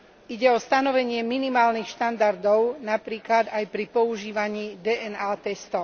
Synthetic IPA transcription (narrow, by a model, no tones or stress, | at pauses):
iɟɛɔst̪anɔʋɛɲɪɛminimaːlnixʃt̪and̪aɾd̪ɔʊnapɾiːklad̪ajpɾipɔuʒiːʋaɲiːd̪ɛʔɛnaːt̪ɛst̪ɔ